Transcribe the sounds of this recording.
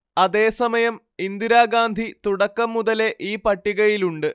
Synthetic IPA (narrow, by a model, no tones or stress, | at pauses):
ɐðe̞ːsɐmɐjɐm | ind̪iɾaːɡaːnd̪ʱit̪uɽɐkːɐmːuðɐle̞ʔiːpɐʈːiɣɐjiluɳɖɨ